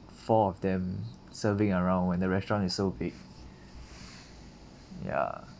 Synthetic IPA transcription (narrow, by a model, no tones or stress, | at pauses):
fɔɔfdɛ̃m | səvɪ̃ŋəɹãʊ̃nwɛ̃ndəɹɛstɹɔ̃nɪsːobiɡ̚ | ja̰